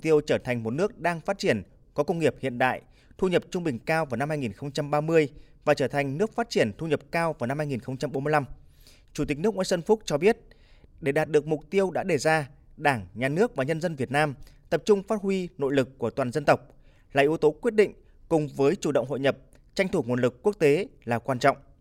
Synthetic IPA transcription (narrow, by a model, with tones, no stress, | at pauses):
t̪i˧əwt͡ɕəː˧˩t̪ʰa˨˩ŋ̟mo˨˩t̚nɨ˦˥ək̚ɗaː˧ŋfaː˦˥t̚t͡ɕi˧˩ən | kɔ˨˦kə˧wŋ͡mŋi˨˩əp̚hḭ˧˨ənɗa̰ː˧˨j | t̪ʰu˧ɲə˨˩p̚t͡ɕʊ˧ŋ͡mɓï˨˩ŋ̟kaː˧wvaː˨˩na˧mhaː˧jŋi˨˩nxə˧wŋ͡mt͡ɕa˧mɓaː˧mɨ˧əjvaː˨˩t͡ɕəː˧˩t̪ʰa˨˩ŋ̟nɨ˦˥ək̚faː˦˥t̚t͡ɕi˧˩ənt̪ʰu˧ɲə˨˩p̚kaː˧wvaː˨˩wna˧mhaː˧jŋi˨˩nxə˧wŋ͡mt͡ɕa˧mɓo˨˦mɨ˧ə˧la˧m | t͡ɕu˧˩t̪i˨˩k̟̚nɨ˦˥ək̚ʔə˧sə˧nfʊ˦˥k͡p̚k̚t͡ɕɔ˧ɓi˦˥ət̚ | ɗe˧˩ɗaː˨˩t̚ɗɨ˨˩ək̚mʊ˨˩k͡p̚t̪i˧əwɗa̰ː˧˥ɗe˧˩zaː˧ | ɗaː˧˩ŋɲaː˨˩nɨ˦˥ək̚vaː˨˩ɲə˧nzə˧nvi˨˩ət̚naː˧mt̪ə˨˩p̚t͡ɕʊ˧ŋ͡mfaː˦˥t̚hwi˧no̰˧˨jlɨ˨˩kːu˧˩ət̪waː˨˩nzə˧nt̪ə˨˩wk͡p̚ | laː˨˩ʔi˨˦əwt̪o˨˦kwət̚ɗḭ˧˨ŋ̟ | kʊ˨˩ŋ͡mvəː˨˦jt͡ɕu˧˩ɗə̰˧˨wŋ͡mɦo̰˧˨jɲə˨˩p̚ | t͡ɕa˧jŋ̟t̪ʰu˧˩ŋu˨˩əlɨ˨˩kːu˦˥ək̚t̪e˨˦laː˨˩kwaː˧nt͡ɕɔ̰˧˨wŋ͡mʔ